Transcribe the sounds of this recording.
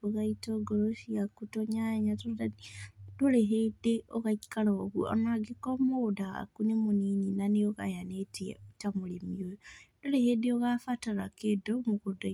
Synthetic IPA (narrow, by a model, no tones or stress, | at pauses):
oɣaitoɡoɾoʃiakutoɲaeɲatoad̥oleɦedeoɣaikalaoɣuɔ̰naɡikɔmodaa̰kunemoniɲinaneoɣa̰janetiɛ̰otamolemiojod̥olehedeoɣafataɾakedomoɣoda